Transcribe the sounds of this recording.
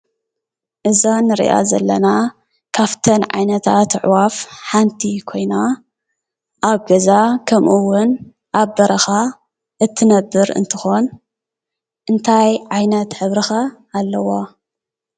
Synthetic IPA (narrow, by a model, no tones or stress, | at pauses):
ʔɨzanɨɾḭʔa̰zɐlːɐna | kʰaft̪ʰɐnʕa̰jnɐt̪ʰa̰t̪ʕwafħant̪ʰikʰo̞jna | ʔaβɡɐzakʰɐmʔuwʊn | ʔaβbɐɾɐxa | ʔɨt̪ʰːɨnɐbːɨɾɨ̰nt̪ʰɨxo̞n | ʔɨnt̪ʰajʕajnɐt̪ħɨβɾɨxaː | lːɐwo